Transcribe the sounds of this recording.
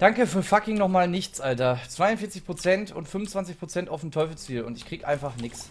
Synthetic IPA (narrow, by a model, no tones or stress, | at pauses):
d̥aŋkəfyːɐfakɪŋnɔχmaːlnɪçt͡sʔaltɐt͡sv̥aɪʊnfɪːɐt͡sɪçpʁ̥ot͡sɛntʊ̰ntfʏmʊnt͡sv̥ant͡sɪçpʁ̥ot͡sɛntaʊfm̩tʰɔʏfl̩t͡siːlʊ̰ntɪçkʁ̥iːɡəʔaɪnfaχnɪks